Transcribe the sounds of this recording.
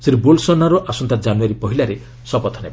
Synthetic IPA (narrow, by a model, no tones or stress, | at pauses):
siɾibolsɔnaɾɔʔasɔnt̪ad͡ʒanuaɾipɔɦilaɾe | sɔpɔt̪ʰɔneba